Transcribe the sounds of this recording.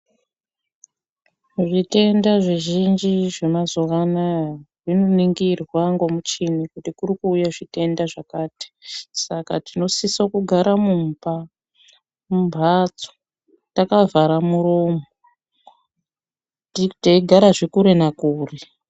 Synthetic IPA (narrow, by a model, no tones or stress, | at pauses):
ʐite̞ndaʐiʒind͡ʒiʐe̞mazoʋanarino̞niŋɡirwaŋɡo̞mut͡ʃinikutikuɾikuːjaʐite̞ndaʐakaːti̥sakatino̞sisakuɡʱaɾamumba | mumbʱat͡so̥ | takavaɾamuro̞ːmo | titeiɡʱaɾaʐikuɾenakuːri